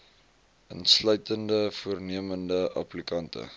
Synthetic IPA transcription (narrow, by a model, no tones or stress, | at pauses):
ənslœɥtəndəfuərniəməndəʔɐ̰plikɐntə̰